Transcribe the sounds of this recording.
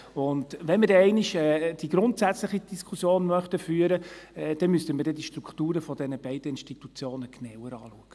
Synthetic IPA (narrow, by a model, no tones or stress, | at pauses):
ʊndʋɛnməɾdɛɛɪniʃɛːd̥iɡ̥ɾʊntsæt͡sləχid̥iskʰusjoːnmœχt̪əfyːəɾəɛd̥ɛnmystəməɾdɛd̥iʃtɾukχtuːɾəfɔd̥ɛnəbɛɪd̥əɪnʃtit̪ut͡sjoːnəɡ̥nɛwəɾɑːluəɡ̥ə